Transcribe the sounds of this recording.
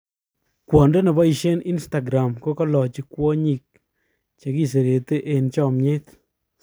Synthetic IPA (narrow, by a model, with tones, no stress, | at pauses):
kwɔ˨ndɔ˦nɛ˨bɔ˦i˨ʃe˦ni˦nsta˨ɡɾa˨mko˦kɔ˦lɔ˨t͡ʃi˨kwɔ˦ɲi˨k̚ | t͡ʃe˨ki˦s̬e˨ɾe˨te˦ʔe˨nt͡ʃɔ˦˨mɲe˦t̪